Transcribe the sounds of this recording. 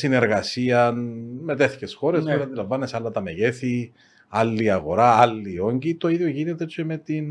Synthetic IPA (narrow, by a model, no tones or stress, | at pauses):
sine̞ɾɣɐsiɐnme̞t̪eθi̥ce̞sxo̞ɾesolɐnd̪ilɐɱvɐnːesɐlːɐt̪ɐme̞ʝe̞θi | ɐlːiɐɣo̞̰ɾaɐlːio̞ɲɟit̪o̞iðjo̞ʝinet̪e̞t͡ʃemet̪in